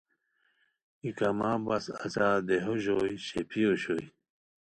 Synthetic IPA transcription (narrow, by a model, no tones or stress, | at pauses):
ikɐmaːbɐsɐsaːd̪eɦoʑojɕepʰioɕoi